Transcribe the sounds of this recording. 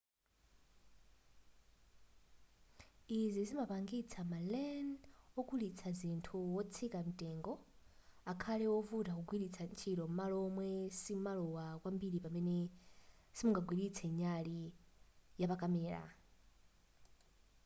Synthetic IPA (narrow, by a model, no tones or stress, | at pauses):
izizimapaŋɡit͡sʰamalɛnɔkulit͡sʰazintʰuwɔt͡sʰikam̩tʼɛŋɡɔ | akʰalɛwɔvutakuɡwiɾit͡sʰant͡ʃʰiɾɔmalɔmwɛsimalɔwakwambiɾipamɛnɛ | simuŋɡaɡwiɾit͡sʰɛɲali | japakamɛːɾa̰